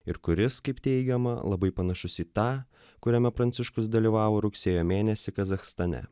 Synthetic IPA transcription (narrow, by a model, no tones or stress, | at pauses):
ɪɾkʊɾʲɪskɐɪpt̪ʲɛɪɡʲɛmɐ̰lˠɐbɐɪpɐnɐʃʊsʲiːt̪ɑː | kʊɾʲɛmʲɛpɾɐnʲt̪sʲɪʃkʊs̬d̪ɐlʲiːʋɑːʋoːɾʊksʲeːjoːmʲeːnʲɛsʲɪkɐzɐxst̪ɐnʲɛ̰